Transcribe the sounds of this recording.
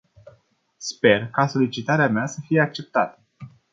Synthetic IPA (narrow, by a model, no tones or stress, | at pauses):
spe̞rkaso̞lit͡ʃit̪aɾeameasəfijeak̚t͡ʃe̞p̚t̪at̪ə